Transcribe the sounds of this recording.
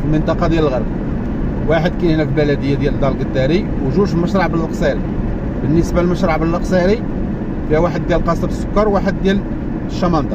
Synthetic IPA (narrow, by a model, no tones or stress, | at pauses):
fəlmənt̪ˤɑqɑd̪jæləlɣəɾb | waħəd̪̚kænhnæfilbælæd̪əjːad̪jæləld̪ɑlɡəd̪ːæɾi | wʒuʃməʃɾˤɑʕbəllqsˤɑɾḭ | bənːəsbalməʃɾˤɑʕbəlːəqsˤɑɾi | fiæwaħəd̪ːjælqɑsˤɑbəsːʊ̥kːɑɾˤwaħəd̪̚ːjæl | ʃːɑmɑnd̪ɑ